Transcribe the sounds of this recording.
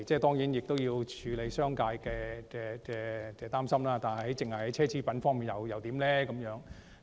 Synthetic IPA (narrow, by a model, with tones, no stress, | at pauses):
t͡sɛː˥˩t̪ɔː˥ŋjiː˨˥njɪ˨k̚t̪o˥wjiː˧wt͡ʃʰyː˨˧le˨˧jsœː˥ŋkaː˧jkɛː˧kɛː˧kɛː˧t͡sɛː˧t̪aː˥msɐ˥mlaː˥t̪aː˨nhɐ˨jhɐ˨˥jt͡sɪ˨˩ŋhɐ˨˩jhɐ˨˥jt͡sʰɛː˥t͡sʰiː˥pɐ˨˥nfɔː˥ŋmiː˨njɐ˨˩wjɐ˨wt̪iː˨˥mlɛː˥kɐ˨˥mjœː˨˥ŋ